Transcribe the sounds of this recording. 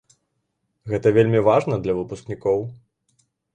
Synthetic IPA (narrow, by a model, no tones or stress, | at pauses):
ɣɛt̪ɐvʲelʲmʲivaʐnɐd̪lʲɐvɨpusknʲikɔw